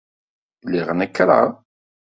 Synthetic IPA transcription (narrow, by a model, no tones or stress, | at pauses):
liʁənækːɾˤɑ̰